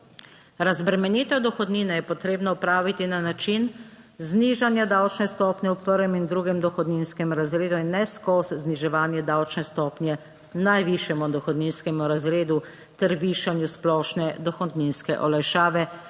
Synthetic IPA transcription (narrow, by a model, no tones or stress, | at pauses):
ɾazbɾɛmɛniːt̪ɔd̪ɔxɔd̪niːnajɛpɔt̪ɾeːbnɔupɾaːʋit̪inanat͡ʃin | zniʒanjad̪awt͡ʃnɛst̪ɔːpnʲjɛwpəɾʋɛmind̪ɾuɡɛmd̪ɔxɔd̪ninskɛmɾazɾeːd̪uinːɛskɔszniʒɛʋaːnjɛd̪awt͡ʃnɛst̪ɔːpnjɛ | najʋiʃjɛmud̪ɔxɔd̪ninskɛmuɾazɾeːd̪u | t̪ɛɾʋiʃanjusplɔːʃnɛd̪ɔxɔd̪ninskɛ̰ʔɔlajʃaːʋɛ